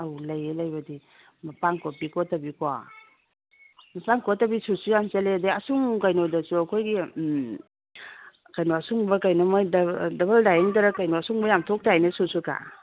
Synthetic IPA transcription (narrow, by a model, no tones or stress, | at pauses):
awlɐjelɐjbɐdi | mɐpaŋkopikotabikoa̰ | mɐpaŋkɔtabisusujamt͡ʃaledeɐsuŋkajnodɐsuɐkʰojɡi | kajnoasuŋbɐkajnomaddɐbɐldajeŋdaɾakajnoasuŋbajamtʰok̚tajnesusuka̰